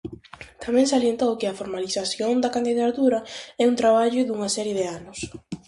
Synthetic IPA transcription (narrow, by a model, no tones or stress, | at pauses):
t̪ʰamɛ̃ŋsaljent̪owkɪɐfoɾmaliθaθjond̪ɐkand̪iðat̪uɾɐɛunt̪ɾaβ̞aʎʊðuŋɐsɛɾjɪðɪanʊs